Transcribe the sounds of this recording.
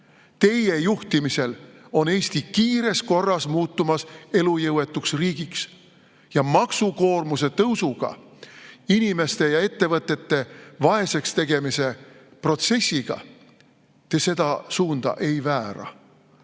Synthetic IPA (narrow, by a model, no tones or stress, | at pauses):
t̪e̞je̞juht̪imise̞lo̞ne̞ːst̪ikiːɾe̞sko̞rːɑsmuːt̪ːˑumɑse̞lujɤwe̞t̪ːˑuksriːɡ̥iks | jɑmɑksuko̞ːrmuse̞t̪ɤwsuɡ̥ɑ̰ | inime̞st̪e̞jɑe̞t̪ːe̞vɤt̪ːˑe̞t̪ːe̞vɑe̞se̞kst̪e̞ɡ̥e̞mise̞pro̞t̪se̞sʲːiɡ̥ɑ̰ | t̪e̞se̞d̪̥ɑsuːnd̪̥ɑ̰ʔe̞jvæːɾɑ̰